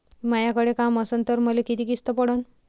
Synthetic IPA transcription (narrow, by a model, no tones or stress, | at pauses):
imajakəɽekaməsənt̪əɾməlekit̪ikist̪əpəɽən